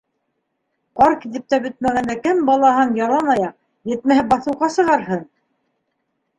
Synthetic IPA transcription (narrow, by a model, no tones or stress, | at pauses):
qɑɾkit̪ɘ̆p̚t̪æbɵ̆t̪̚mæɡænd̪ækɘmbɑlˠɑhɤnjɑlˠɑnɑjɑq | jɘ̆t̪̚mæhɘbɑθɤ̆wʁɑsɤ̆ʁɑɾɦɤɴ